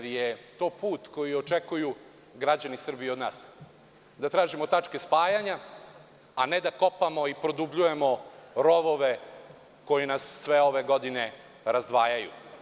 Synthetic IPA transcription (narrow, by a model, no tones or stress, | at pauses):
ɾjet̪o̞ːpuːt̪ko̞jiot͡ʂekuju | ɡɾad͡ʑanisr̩biod̪na̰ːs | d̪at̪ɾaːʒimo̞t̪at͡ʂke̞spaːjaɲa | aned̪ako̞pamo̞ipɾod̪ubʎuje̞mo̞ɾo̞ʋoʋe̞ | ko̞jinasːʋeo̞ʋeɡo̞d̪ine̞ | ɾazd̪ʋaːjajṵ